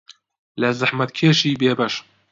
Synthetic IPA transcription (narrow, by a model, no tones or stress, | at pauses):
lɐzɨħmɐt̪̚kʰeːʃiːbeːbɐʃ